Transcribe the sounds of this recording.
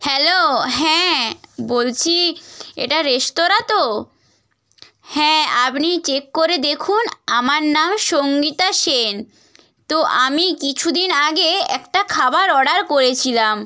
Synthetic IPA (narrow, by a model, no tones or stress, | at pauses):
hɛloɦɛ̃bolt͡ɕʰiḛʈaɾeʃt̪oɾat̪o | hɛ̃apnit͡ɕekːoɾed̪ekʰunamaɾnamʃoŋɡit̪aʃen | t̪oʔamikit͡ɕʰud̪inaɡeɛkʈakʰabaɾɔɖaɾkoɾet͡ɕʰilam